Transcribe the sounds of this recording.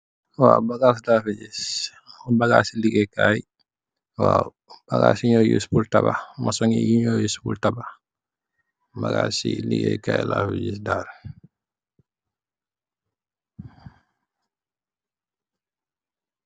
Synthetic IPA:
wabaɡas̬lafɛd͡ʒis | baɡaːsiliɡɛkaj | wa | b̥aɡasiɲɔjṵspultaba̰masɔŋḭjiɲɔjuspultaba | baɡasilḭɡɛ̰kaːjilafɛd͡ʒis̬daːɾ

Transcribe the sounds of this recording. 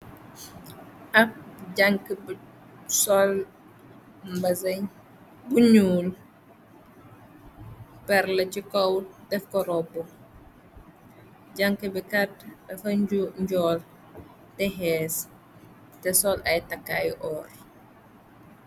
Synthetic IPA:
ʔɐk̚ɟɐŋkəb | sɔl | mbɐzɐɲ | buɲuːl | pɛrlɐcikɔwdɛfkɔɾɔbːu | ɟaŋkəbikɐtɐfɐɲuɲɟɔːl | tɛɦɛːs | tɛsɔlʔɐjtɐkːajʔɔːr

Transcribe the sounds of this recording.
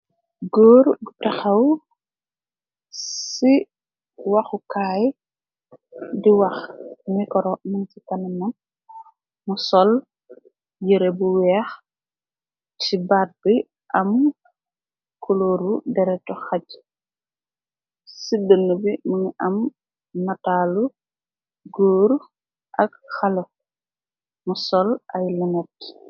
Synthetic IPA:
ɡɔːɾɡutɐxɐw | si | wɐxukaːj | diwɐxmikɔɾɔmɐntikɐnɐnɐn | musɔl | jiɾebuwɛːx | tibat̚bi | ʔɐm | kʰuloːɾudɛɾɛtɔxac | sidənːubimuniʔɐm | nataːlu | ɡoːɾ | ʔɐkxɐlɔ | musɔlʔɐjliŋɛt̚

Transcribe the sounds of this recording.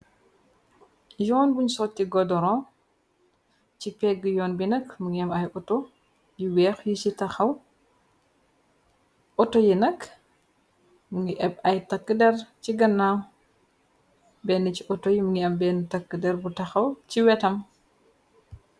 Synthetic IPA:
jɔːnbuɲsɔtːiɡɔdɔɾɔ | cipɛɡːəjɔːnbinəkmuŋɡiɐmɐjʔɔto | jiwɛːxjit͡ʃitɐxɐw | ʔɔtojinɐk | muŋɡiʔɛbɐjtɐkːədɛrt͡ʃiɡɐnːaw | bɛnːəciʔɔtɔjimuŋɡiɐmbɛnːətɐkːədɛɾbutɐxɐwciwɛtɐm

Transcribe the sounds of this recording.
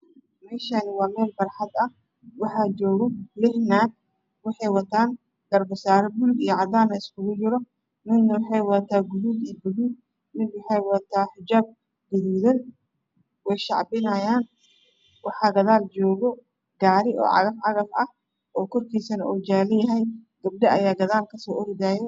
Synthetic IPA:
mɛːʃanɪwaːmɛːlfɐrħɑd̪ɐh | wɑħaːd͡ʒɔːɣɔlɪhnaːd̪̚ | wɑħɑjwɐt̪ʰaːn | ɡɐrbɐsaːɾɐbʊlɡ̪ijɔʕɑd̪aːnɐɪskʊɣʊd͡ʒɪɾɔ | mɪnːɐwɑħɑjwɐt̪ʰaːɡʊðuːd̪ijbʊðuːd̪̚ | mɪnwʊħɛjwɐt̪ʰaːħɪd͡ʒaːb̚ | ɡʊðuːðɐn | wɛjʃɑʕbɪnɐjaːn | wɑħɑːɡɐðaːlt͡ʃɔːɣɔ | ɡaːɾɪʔɔ̰ːʕɑ̰ɣɐfʕɑɣɐfʔɐh | ʔɔːkʰɔrkʰiːsɐnɐʔuːd͡ʒaːlɛjɐɦɛjɡ̥ɐb̚ɖɐɐjaːɡɐðaːlkʰɐsɔːʔɔrd̪aːjɛ

